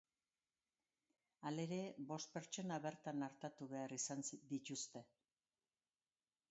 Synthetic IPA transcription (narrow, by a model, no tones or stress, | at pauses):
ale̞ɾe̞bo̞st̪̚pe̞ɾt͡ʃo̞naβe̞ɾt̪anaɾt̪at̪uβe̞arisansd̪it̪ust̪e̞